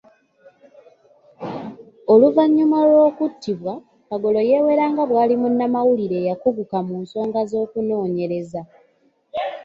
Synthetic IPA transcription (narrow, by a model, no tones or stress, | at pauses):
o̞luvaɲːumalo̞ːkutːiβwa | kaɡo̞lo̞je̞ːwe̞ɾaːŋɡaβwaːlimunːamawuliɾe̞ːjakuɡukamuːnso̞ːŋɡazo̞ːkuno̞ːɲe̞ɾe̞za